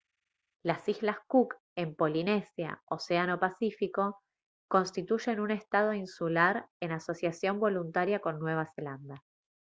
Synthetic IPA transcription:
lasizlaskuk | e̞mpo̞line̞sja̰oseano̞pasifiko̞ | ko̞nst̪it̪uʒe̞nune̞st̪að̞o̞insulaɾe̞naso̞sjasjo̞mbo̞lunt̪aɾjako̞nːwe̞β̞aseland̪a

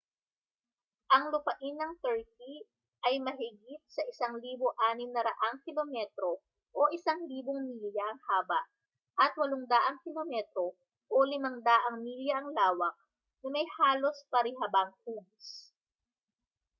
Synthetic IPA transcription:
ʔɐŋlʊpɐʔɪnɐŋt̪ɛɹk̚i | ʔɐjmɐɦɪɡit̪̚sɐʔɪsɐŋliːboʔaːnɪmnɐɾɐʔaŋkɪlomɛt̪ɾo | ʔoʔɪsaŋliːboŋmiljɐʔɐŋhaːbɐʔ | ʔɐt̪̚wɐloŋd̪aʔɐŋkɪlomɛt̪ɾo̞ | ʔolɪmɐŋd̪aʔɐŋmiːljɐʔɐŋlaːwɐk̚ | nɐmɐjhaːlo̞spɐɾɪɦɐbɐŋhuɡs

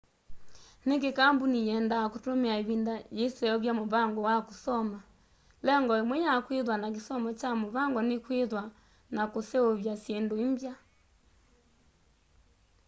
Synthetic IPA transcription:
nekekaːmbunijɛːndaːkotomeaeβindajesɛjɔβjamoβaŋɡɔwakosɔma | lɛŋɡɔemwɛɲakweðwanak̬esɔmɔt͡ʃamoβaŋɡɔnekweðwa | nakoseoβjasjendoimbja

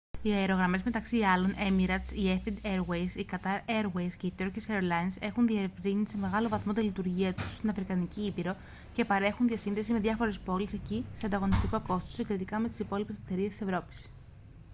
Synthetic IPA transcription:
iɐeɾo̞ɣɾɐme̞zme̞t̪ɐksiɐlo̞ne̞miɾɐsiefid̪eɾwejsikɐt̪ɐɾe̞ɾwejsce̞it̪oɾciseɾlɐinse̞xunðievɾinise̞me̞ɣɐlo̞vɐθmo̞t̪elit̪uɾʝiɐt̪u̥sst̪inɐfɾikɐniciipiɾo̞ | ce̞pɐɾe̞xunðiɐsinðe̞sime̞ðʝɐfo̞ɾe̞spo̞lise̞ciseɐnd̪ɐɣo̞nist̪iko̞ko̞st̪osiɡɾet̪ikɐme̞t̪isipo̞lipese̥t̪e̞ɾiest̪ise̞vɾo̞pi̥s

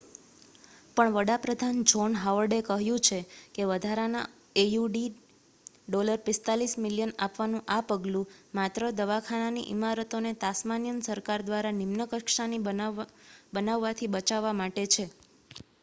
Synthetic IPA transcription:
pəɳʋəɽapɾəd̪ʱand͡ʒonɦaʋəɾɖekəɦjũt͡ʃʰekeʋəd̪ʱaɾana̰ | ejuɖi | ɖoləɾpɪst̪alismiljəna̰pʋanũʔapəɡlũmat̪ɾəd̪əʋakʰananḭʔimaɾət̪onet̪asmanjənsəɾkaɾd̪ʋaɾanimnəkəkʃani | bənaʋːat̪ʰibət͡ʃaʋːamaʈet͡ʃʰe

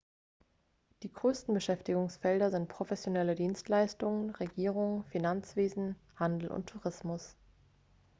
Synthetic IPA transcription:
d̥iːɡʁøːstn̩bəʃɛftɪɡʊŋsfɛldɐzɪntpʁ̥ofɛsjonɛlədiːnstlaɪstʊŋənʁeɡiːʁʊŋfinant͡sv̥eːzn̩ | handl̩ʔʊ̰ntʰːuʁɪsmʊs

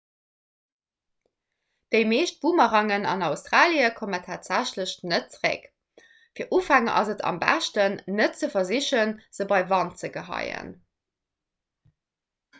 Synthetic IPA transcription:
d̥əɪmeːʃt̚b̥umɐʁɑŋənɑ̰nɑʊstʁaːliəkʰomətʰaːtz̥æɕləɕnət̚t͡səʁḛk | fiːɐʔuːfæŋəʔɑ̰zətʰɑ̰mbæ̰ʃtənːət̚t͡səfɐziɕənz̥əbɑɪvɑnt̚t͡səɡəɦɑ̰ɪə̰n

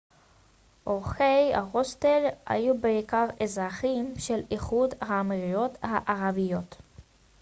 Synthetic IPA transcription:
ʔoʁχeja̰ʁost̪elha̰jubeikaʁezʁaχimʃeliχud̪haːmiʁijo̞t̪haʔaʁavijo̞t̪

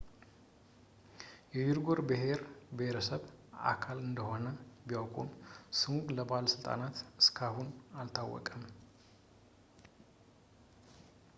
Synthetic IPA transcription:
jɛd͡ʒiɾɡo̞ɾbəɦe̞ɾbəheɾəsəβa̰kʰalɨnd̪əho̞nəbijawkʼumsuŋɡʼləbaləsɨlt̪ʼa̰nat̪ɨskʰahunalt̪ʰawːɔ̰kʼəm

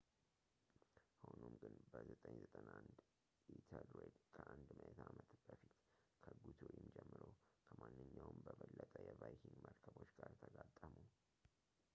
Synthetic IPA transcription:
honumɡɨnbəzət̪ʼəɲzət̪ʼənand̪ | it̪ʰəlɾed̪kʰəʔand̪məʔet̪ʰamət̪b̥əfit̪kʰəɡut̪ʰojɪmd͡ʒɛmːɨɾokʰəmanːɨɲːawmbəβəlːət̪ʼəjɛvajkiŋɡməɾkʰəbo̞t͡ʃːɡaɾt̪ʰəɡat̪ʼːəmu

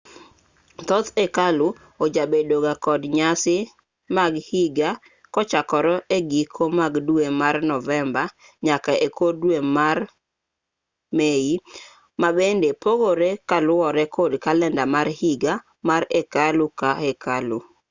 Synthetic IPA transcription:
t̪ɔt̪ekalʊ | od͡ʒabedoɡakɔdɲasɪ | maɡhiɡa | kɔt͡ʃakɔɾɔeɡikʰomaɡduemarnɔvɛmba | ɲakaʔekʰodwemar | mei | mabendepoɡoɾekalʊɔɾɛkʰodkalɛndamarhiɡa | maɾekalʊkaekalu

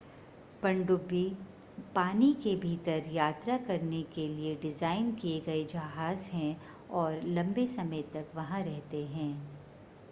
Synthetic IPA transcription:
pɐ̃ɳɖʊbːi | paːnikebʱiːt̪əɾjaːt̪ɾakɐɾnekelieɖɪzaːɪnkieɡɐed͡ʒɐɦaːzɦɛ̃ | ɔːɾlɐ̃mbesɐməjt̪ɐkʋɐɦãɾɛɦt̪eɦɛ̃ː

